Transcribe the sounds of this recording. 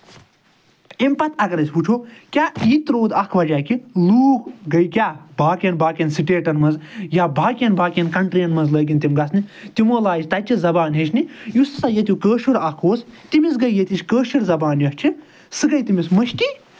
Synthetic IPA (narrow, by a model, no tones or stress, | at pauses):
impɐt̪ʰɐkɐɾɐsʲbut͡ʃʰoːkʲaːiːt̪ɾoːd̪ɐkʰʋɐd͡ʒaːkiluːkɡɐjkʲaːbaːkʲɐnbaːkʲɐnsiʈeːʈɐnmɐnzjaːbʱaːkʲɐnbʱaːkʲɐnkɐɳʈɾiɐnmɐnzləːɡʲinʲt̪imɡɐsnit̪imoːlaːjit͡ʃʲt̪ɐt͡ʃʰizɐbaːnɦeʃʰnijusɨsajɐt̪̬jukəːʃuɾɐkʰoːst̪imis̬ɡɐjjet̪it͡ʃʲkəːʃiɾzɐbaːnjɐst͡ʃʰi | sɨɡɐjt̪imismɐʃti